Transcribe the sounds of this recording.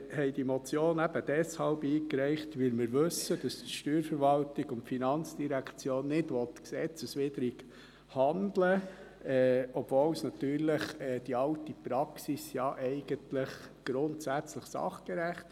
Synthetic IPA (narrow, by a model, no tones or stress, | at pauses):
hɛɪd̥imɔt͡sjoːnæb̥əd̥ɛshɑlbiːkɾɛɪχtʋɪlmɪɾʋɵsəd̥ɑstʃtyːɾfəɾʋɑltɪɡʊntfinɑnt͡sd̥iɾækʰt͡sjoːnːɪdʋɔtksɛt͡səsʋɪdəɾik | hɑndlə | ɛːɔb̥vɔːlsnɑt̪yːɾləχɛːd̥iɑltipɾɑksisjɑʔɛɪɡ̥əntləχɡ̥ɾʊntsæt͡sləχsɑ̰χɡ̥eɾæχt